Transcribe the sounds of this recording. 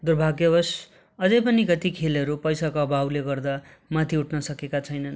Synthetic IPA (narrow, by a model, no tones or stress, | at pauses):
d̪urbʱaɡjʌbʌs | ʌd͡zʌjpʌnikʌt̪ikʰelʌɾupʌjsakoʌbʱawleɡʌrd̪a | mat̪ʰiuʈʰnʌsʌkekat͡sʰʌjnʌn